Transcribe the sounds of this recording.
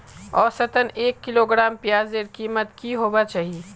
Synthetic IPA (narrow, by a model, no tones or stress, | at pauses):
ɔːɾsɐt̪əneːkːɪloːɡɾaːmpjaːzeːɾkiːmət̪kiɦoːbat͡ʃaːɦii